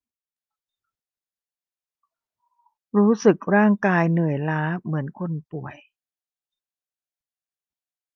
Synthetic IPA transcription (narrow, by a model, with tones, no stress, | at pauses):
ɾuː˦˥sɯ˨˩k̚ɾaː˥˩ŋkaː˧jnɯ˨˩əjlaː˦˥mɯ˩˦ənkʰo˧npu˨˩əj